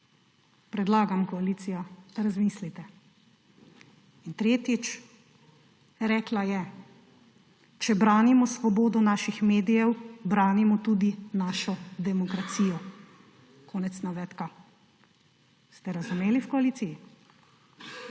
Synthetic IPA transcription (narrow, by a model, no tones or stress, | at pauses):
pɾɛd̪laːɡamkɔaliːt̪sijɔd̪̥aɾazmiːslit̪ɛ | int̪ɾeːt̪it͡ʃ | ɾɛːklajɛ | t͡ʃɛbɾaːnimɔsʋɔboːd̪ɔnaːʃixmeːd̪ijɛwbɾaːnimɔt̪ud̪inaːʃɔd̪ɛmɔkɾat̪sijɔ | kʰɔːnɛt̪snaʋɛt̪ka | st̪ɛɾazumeːliwkɔaliːt̪siji